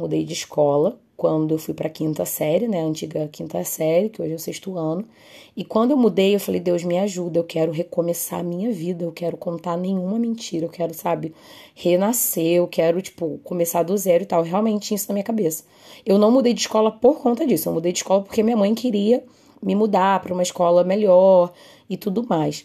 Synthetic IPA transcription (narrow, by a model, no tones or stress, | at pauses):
mud̪ḛjd͡ʒɪiʃkɔlɐ | kwɐ̃nd̪ʊewfujpɾɐkĩnt̪ɐsɛɾɪnɛɐɐ̃nt͡ʃiɡɐkĩnt̪ɐsɛɾɪkɪoʒɪɛwseʃt̪ʊɐ̃nʊ | ɪkwɐ̃d̪ʊewmud̪ejewfalejd̪ewzmɪaʒud̪ɐewkʰɛɾʊɦekomesa̰mĩɲɐvid̪ɐewkɛɾʊkõnt̪aɾnẽjɲ̃ũmɐmẽnt͡ʃiɾɐewkɛɾʊsabɪhenaseewkɛɾʊt͡ʃi̥pʊkomesaɾd̪ʊzɛɾʊit̪awɦeawmẽnt͡ʃɪisʊnɐmĩɲɐkabesɐ̥ | ewnɐ̃w̃mud̪ejd͡ʒɪʃkɔlɐpoɾkõnt̪ɐd͡ʒisʊewmud̪ejd͡ʒɪʃkɔlɐpo̥ɾkeɐmĩɲɐmɐ̃j̃kɪɾiɐ | mɪmud̪apɾɐũmɐɪʃkɔlɐmeʎɔɾ | ɪt̪ud̪ʊmajs